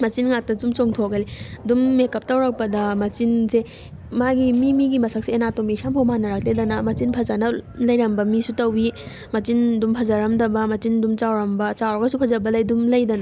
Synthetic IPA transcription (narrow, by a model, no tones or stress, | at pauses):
mɐt͡ʃinŋak̚tɐsumt͡ʃoŋtʰoɡɐlidumːekɐp̚tɐwɾak̚pɐdɐmɐt͡ʃinse | maɡimimiɡimɐsʰak̚seenatomisampʰowmanɐɾak̚ledɐnɐmɐt͡ʃinpʰɐzanɐlɐjɾɐmbɐmisutɐwi | mɐt͡ʃindumpʰɐzɐɾɐmdɐbɐmɐt͡ʃindumt͡ʃawɾɐmbɐt͡ʃawɾɐɡɐsupʰɐzɐbɐlɐjdumlɐjdɐnɐ